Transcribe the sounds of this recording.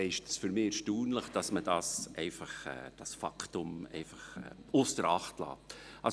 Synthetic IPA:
ɪʃtsfyɾmɪɛɾʃtuːnləχd̥ɑsməd̥ɑsɛɪfɑχɛ̰ːd̥ɑsfɑ̰kʰtʊmɛ̰ɪfɑχɛ̰ʊsd̥əɾɑχtlɑ̰ːʔɑ

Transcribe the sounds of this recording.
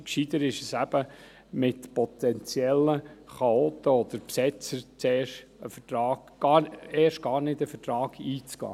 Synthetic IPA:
kʃid̪əɾɪʃəsæb̥ə | mɪtpɔt̪ɛnt͡sjɛlːəχɑoːt̪əɔd̪̥əɾpsɛt͡səɾt͡seːʃt | əfətɾɑːɡ̥ɡ̥ɑeːʃt̚ɡ̥ɑːɾnɪdəfətɾɑːɡ̥iːt͡sɡ̥ɑ̰ː

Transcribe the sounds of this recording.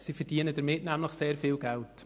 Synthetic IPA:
sifəɾd̥iənədəɾmɪtnæmləχseːɾfiːlɡɛlt

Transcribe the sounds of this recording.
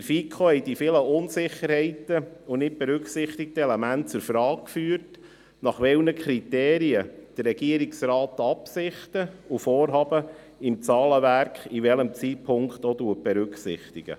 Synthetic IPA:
əɾfikʰχohɛjdifɪləʊnsɪχːəɾhɛɪtəunɪt̚b̥ɛɾʏkχsɪχt̪ɪk̚t̪əɛlɛmæntt͡sʊɾfɾɑːk̚kfyːəɾt | nɑχʋɛlnəkʰɾit̪ɛːɾiəd̥ərːɛɡiəɾiksɾɑːt̪ɑpsɪχt̪əufɔːɾɦɑːbə | ɪmt͡sɑːləʋæɾkχiʋɛləmt͡siːt̚pʰʊŋkχt̪oduət̚b̥ɛɾʏkχsɪ̰χt̪iɡ̥ə̰

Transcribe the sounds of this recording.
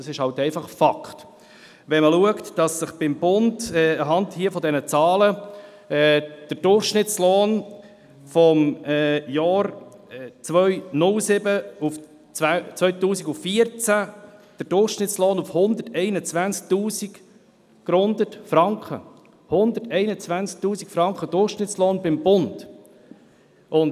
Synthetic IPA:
d̥ɑsɪʃhɑwtɛɪfɑχfɑkχt | ʋɛnməluəktd̥ɑsːəχb̥ɪmb̥ʊndɛːəɦɑndhiəfɔd̪ɛnət͡sɑːlə | ɛːd̥əɾd̥ʊrχʃnɪtt͡sloːn | fɔmɛjɑːɾ | t͡sʋœʏnʊlsɪbəuf | æt͡sʋœɥtuːsiɡuffiəɾt͡sæd̥əɾd̥ʊrχʃnɪtt͡slɔːnufhʊnd̪ətɛɪnət͡sʋænst͡sk̚tuːsik | ɡ̥ɾʊnd̪ətfɾɑŋkχə̰ | hʊnd̪ətɛɪnət͡sʋænsk̚tuːsikfɾɑŋkχəd̥ʊɾχʃnɪtt͡slɔːnbɪmbʊnd̥ | ʊn

